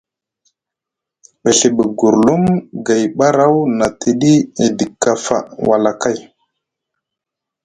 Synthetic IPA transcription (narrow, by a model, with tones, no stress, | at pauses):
ɓe˨ɬe˨ɓə˨ɡu˨ɾlu˦mɡa˨jɓa˦ɾa˦wna˨ti˨ɗi˦e˨di˨kːa˦fa̰˨wa˨la˨ka˦j